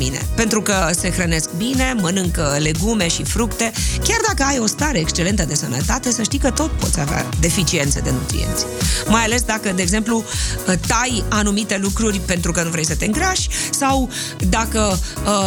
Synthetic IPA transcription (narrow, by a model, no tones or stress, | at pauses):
ḭnḛpe̞nt̪ɾukəse̞xɾəne̞sk̚bine̞mənɨŋkle̞ɡume̞ʃifɾukt̪e̞kʲard̪akəajo̞st̪aɾe̞ːkst͡ʃe̞le̞nt̪əd̪e̞sənə̰t̪at̪e̞səʃt̪ijkət̪o̞t̪po̞t̪sʲavea̰d̪e̞fit͡ʃient̪sed̪e̞nṵt̪ɾḭḛnt̪sʲmajale̞sd̪akəd̪eeːɡze̞mplut̪ajanumit̪e̞lukɾurʲpe̞nt̪ɾukənuvɾejsət̪e̞ɨŋɡɾaʃʲsaw | d̪akəə